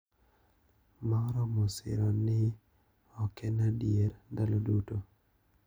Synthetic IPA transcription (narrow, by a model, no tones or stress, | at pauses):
maɾɔmosɪ̰ɾɔnɪ | ɔkɛnadjeɾdaloduto